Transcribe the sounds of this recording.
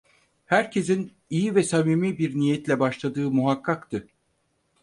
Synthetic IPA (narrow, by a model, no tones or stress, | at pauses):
hæɾcʰe̞zin | ijivɛsamiːmibiɾnijɛt̪lʲɛbaʃlˠad̪ɯːmuɦakʰːakt̪ʰɯ